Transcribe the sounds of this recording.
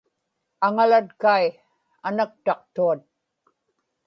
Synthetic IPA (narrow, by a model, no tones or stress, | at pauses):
aŋalat̪kaj | anak̚t̪ɑq̚t̪uat̪̚